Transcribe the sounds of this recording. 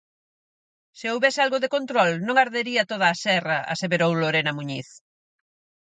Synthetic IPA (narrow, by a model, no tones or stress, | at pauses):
sɪowβɛsɪalɣoðekont̪ɾɔlnõŋaɾðeɾiɐt̪oð̞aːsɛrɐʔa̰seβeɾowloɾenɐmuɲiθ